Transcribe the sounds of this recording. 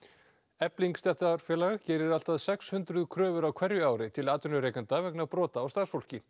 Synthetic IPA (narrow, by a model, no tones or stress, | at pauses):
ɛpliŋkst̪ɛht̪aɾ̥fjɛːlaɣacɛːɾɪɾal̥t̪aðsɛkshʏnt̪ɾʏðkʰɾœːvʏɾawkʰvɛɾjʏaːwɾɪt̪ʰɪlaːt̪ʏnʏɾeːjkant̪avɛknapɾɔːt̪aːwst̪aːðsfol̥cɪ